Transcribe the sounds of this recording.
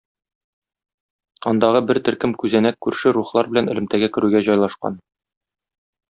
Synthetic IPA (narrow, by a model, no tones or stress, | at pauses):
ɒnd̪ɑʁɤbɘɾt̪ɘ̆ɾkɘmkʉzænækkːʉɾʃɘɾuχlˠɑɾbɘ̆lænɘ̆lɘ̆mt̪æɡækɘ̆ɾʉɡæʑɒjlˠɑʃqɑ̰n